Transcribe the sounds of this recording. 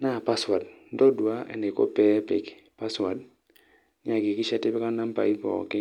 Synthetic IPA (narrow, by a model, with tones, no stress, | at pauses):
na˦˨pa˦swa˨d̚ndɔ˦du˨a˦ɛ̰˨nde˨ko̰˦pɛ˦pḭ˨k | pa˦swa˨d̚ | ɲa˨ki˨ki˦ʃa˦ti˦bɛ˦ka˦na˦m˦pa̰˨i˦pɔ̰˨ki˦